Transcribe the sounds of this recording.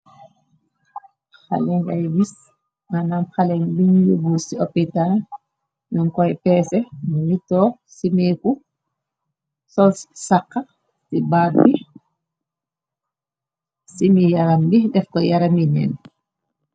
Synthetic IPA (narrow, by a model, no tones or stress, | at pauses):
xa̰lɛŋɡajwis | manamxalɛŋbinjubusiɔpːitan | nuŋkɔjpɛsɛmumitɔː | simeku | sɔlssakːa | sibabi | simijaɾambidɛfkɔjaɾaminɛ̰n